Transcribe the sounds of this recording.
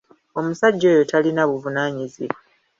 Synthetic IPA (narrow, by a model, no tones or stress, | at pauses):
o̞musaɟːo̞ːjo̞talinaβuvunaːɲiziβa